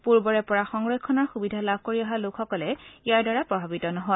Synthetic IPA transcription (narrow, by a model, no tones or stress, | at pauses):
puɹbɔɹɛpɔɹaxɔŋɹɔkʰːɔnɔɹxubidʱalabʱkoɹiaɦalokxɔkɔlɛijaɹdaɹapɹɔbʱabitɔnɔɦɔj